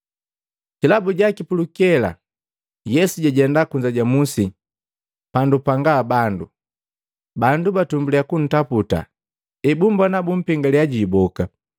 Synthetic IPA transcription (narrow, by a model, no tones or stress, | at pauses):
kilabuɟakipulukɛla̰ | jɛsuɟaɟɛndakuɲd͡ʒaɟamusi | pandupaŋɡaːbandu | bandubatumbuliakun̩taputa̰ | ibumbɔnabum̩piŋɡaliaɟibɔka